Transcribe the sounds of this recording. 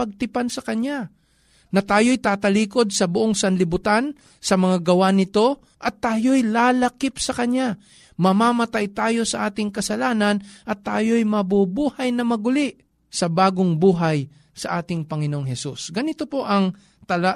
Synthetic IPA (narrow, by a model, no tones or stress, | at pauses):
pɐɡ̚t̪ɪpansɐkɐna | nɐt̪aːjo̞jt̪aːt̪ɐliːko̞d̪̚sɐbʊʔoŋsɐnlɪbʊt̪an | sɐmɐŋaɡɐwanɪt̪o̞ | ʔɐt̪ːaːjojlaːlɐkɪpsɐkɐɲja | mɐmaːmɐt̪ajt̪aːjo̞sɐʔaːt̪ɪŋkɐsɐlaːnɐnʔɐt̪ːaːjo̞jmɐbʊbuːhɐjnɐmɐɡʊlɪʔ | sɐbaːɡoŋbuːɦaj | sɐʔaːt̪ɪŋpɐŋɪnoʔoŋɦɛsusɡɐnɪt̪opo̞ʔɐŋ | t̪ɐla